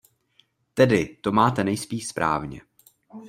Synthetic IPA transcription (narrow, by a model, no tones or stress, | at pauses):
t̪ɛdɪt̪o̞maːt̪ɛnɛjspiːʃspɾʔa̰ːvɲɛ̰